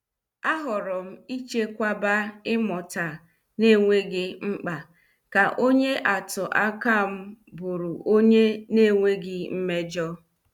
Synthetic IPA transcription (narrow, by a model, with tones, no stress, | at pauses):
a˦ɦʊ˨ɾʊ˨m̩˦i˦t͡ʃe˦kʷa˦ba˦ɪ˦mɔ˨ta˨ | ne˦˨ŋʷe˦ɡɪ˦ŋ͡m̩˦k͡pa˨ | ka˨ʔo˦ɲe˦ʔa˨tʊ˨ʔa˦ka˦m̩˦bʊ˨ɾʊ˨o˦ɲe˦ne˦˨ŋʷe˦ɡɪ˦m̩˦me˦d͡ʒɔ˦